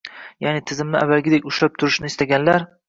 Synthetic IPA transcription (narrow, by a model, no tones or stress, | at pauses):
janɪt̪ʰɪzɪmnɪavːalɡʲɪd̪ekʲʊʃlap̚t̪ʰʊɾɪʃnɪɪst̪ʰaɡʲanlaɾ